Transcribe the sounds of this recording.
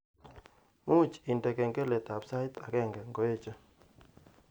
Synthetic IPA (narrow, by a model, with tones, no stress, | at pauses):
mu˦˨t͡ʃi˨ndɛ˨kɛ˨ŋɡɛ˦lɛ˨t̪a˨bsa˦ɪ˦t̪a˨ɡɛ˦˨ŋɡɛ˨ŋɡɔ˨˦je˦t͡ʃɔ˦